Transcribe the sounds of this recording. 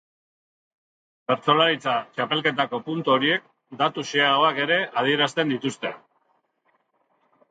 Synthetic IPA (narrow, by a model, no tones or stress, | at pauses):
be̞ɾt͡so̞laɾit͡sat͡ʃape̞lke̞t̪ako̞punt̪uoɾie̞k̚ | d̪at̪useao̞ake̞ɾe̞að̞ie̞ɾast̪e̞nd̪it̪ust̪e̞̰